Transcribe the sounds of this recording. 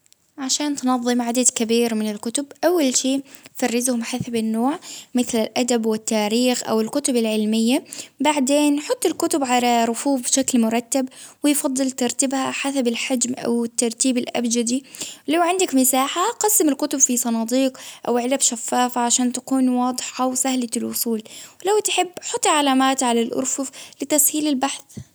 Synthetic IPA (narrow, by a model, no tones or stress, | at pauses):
ʕaʃaːnt̪nɑðˤːɨmʕad̪ad̪kabiːɾmɪnɪlkʊt̪ʊbʔawːalʃeːfɑrːɪzhʊmħasabɪnːoːʕmɪθlɪlʔad̪abwɪt̪ːaːɾiːxʔa̰wɪlkʊt̪ʊbɪlʕɪlmɪjːabaʕd̪eːnħʊt̪ˤːɪlkʊt̪ʊbʕalaɾˤʊfuːfbɪʃaklmʊɾˤɑt̪ːabwɪjfɑd̪ˤːɨlt̪ɑɾˤt̪ɪbhaħasabɪlħad͡ʒmʔa̰wɪt̪ːɑɾˤt̪iːbɪlʔa̰bd͡ʒad̪ilawʕɪnd̪akmɪsaːħaqɑsːɪmɪlkʊt̪ʊbfisˤɑnɑːd̪ˤiːqʔawʕɪlabʃafːaːfaʕaʃaːnt̪ḁkuːnwɑːd̪ˤɨħʔawsahlalʔʊsˤuːlwlawt̪ħɪbːħʊt̪ˤːʕalaːmaːt̪ʕalalʔʊ̰ɾfʊflɪt̪ashiːlɪlbaħθ